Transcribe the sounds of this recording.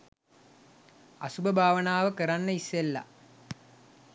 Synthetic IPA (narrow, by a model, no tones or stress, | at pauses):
ɐ̰subɐbʱaːʋɐnaːʋəkəɾanːəisjelːɐ̰